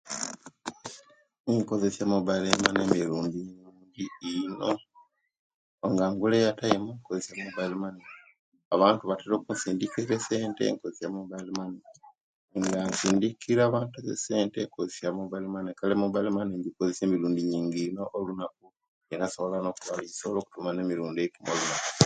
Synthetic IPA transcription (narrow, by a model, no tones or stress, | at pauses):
eŋko̞ze̞sjamoβalemanemiɾuːndiɲuːndiːno | ŋɡaŋɡulejatajimukozesjamoβalemane | aβaːntuβateɾokunsiːndikiɾese̞ːntḛŋkozesjamoβalemane | ŋɡansiːndikiɾaːβaːntuazḛse̞ːnte̞ŋkozesjamoβalemanekalemobalemaneɲɡikozese̞ːmiɾuːndiɲiːŋɡino̞ʔːlunak̚u | enaso̞βo̞lano̞ːkuβalisolo̞ːku̥tumaneːmiɾuːndekumolunaku̥